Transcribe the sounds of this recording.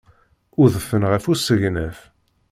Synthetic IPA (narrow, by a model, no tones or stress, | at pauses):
ʊðəfːənʁəfusəʝnæf